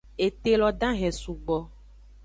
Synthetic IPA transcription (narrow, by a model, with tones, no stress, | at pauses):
e˨t̪e˦˨lɔ˨ɖã˦ɦɛ̃˨su˨ɡ͡bɔ˦